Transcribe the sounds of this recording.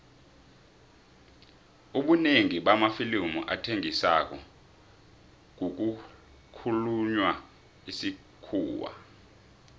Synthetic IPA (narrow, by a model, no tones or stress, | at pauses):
uɓuneŋiɓamafilimuʔatʰeŋisa̰k̬ʼɔ̰ | k̬uk̬u | kʰuluɲwa | isi | kʰuːwa̰